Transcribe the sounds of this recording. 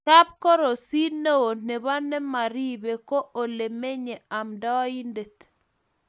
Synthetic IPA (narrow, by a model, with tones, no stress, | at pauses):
ka˦p̚kɔ˦ɾo˨si˦ne˦o˨ne˨βa˦nɛ˦ma˨ɾi˦be˨kɔ˦ʔo˨le˨me˦ɲe˨a˨mda˦wi˦nde˨t̪